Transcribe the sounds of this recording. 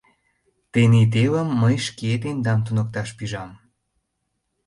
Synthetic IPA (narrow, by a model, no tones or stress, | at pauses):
t̪enet̪̬elə̆mːəjʃket̪end̪ɑmt̪unɤ̆k̚t̪ɑʃpyʒɑm